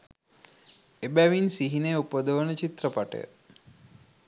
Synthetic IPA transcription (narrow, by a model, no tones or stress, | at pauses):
ebæʋinsiɦineupəd̪əʋənət͡ʃit̪rəpaʈə̰jə̰